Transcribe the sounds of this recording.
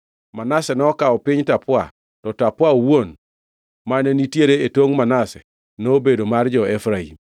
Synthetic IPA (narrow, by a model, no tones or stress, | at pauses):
manasɛnɛɔkaɔpɪɲtapwa̰ | tɔtapwaowon | manɛnitjeɾeetoŋmanasɛ | noːbedomard͡ʒɔefɾaḭm